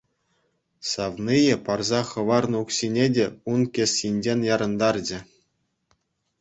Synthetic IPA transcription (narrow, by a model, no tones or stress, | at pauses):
sɑʋnijɘ̆pɑrzɑχɤ̆ʋɑrnɤ̆uksʲinʲedʲeunkʲesʲːinʲd͡ʑenʲjɑɾɤ̆nd̪ɑrd͡ʑɘ̆